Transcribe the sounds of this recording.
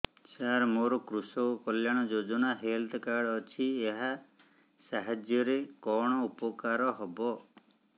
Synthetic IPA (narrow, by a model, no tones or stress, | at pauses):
saɾmoɾɔkɾusɔkɔljaɽ̃ɔd͡ʒod͡ʒɔnaɦelt̪ʰkaɽɔt͡ʃʰieɦa | saɦad͡ʒjɔɾekɔɽ̃ɔupɔkaɾɔɦɔbɔ